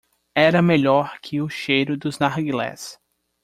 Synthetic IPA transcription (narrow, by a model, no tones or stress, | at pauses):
ɛɾɐmeʎɔɾkʰɪʊʃejɾʊd̪ʊznaɾɡilɛ̰s